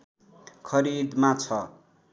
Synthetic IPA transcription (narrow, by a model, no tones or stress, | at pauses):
kʰʌɾid̪mat͡sʰʌ